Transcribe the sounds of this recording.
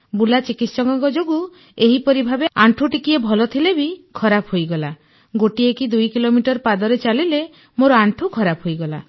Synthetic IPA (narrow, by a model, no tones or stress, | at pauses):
bulat͡ʃikit̪sɔŋkɔŋkɔd͡ʒoɡu | eɦipɔɾibʱabeaɳʈʰuʈikiebʱɔlɔt̪ʰilebikʰɔɾapʰɦojɡɔla | ɡoʈiekid̪ujkilomiʈɔɾpad̪ɔɾet͡ʃalile | moɾɔaɳʈʰukʰɔɾapʰɦojɡɔla̰